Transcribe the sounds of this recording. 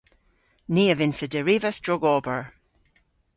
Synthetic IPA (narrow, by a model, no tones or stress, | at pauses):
niːəvɪnsədəɹivəstɹɔɡɔːbəɹ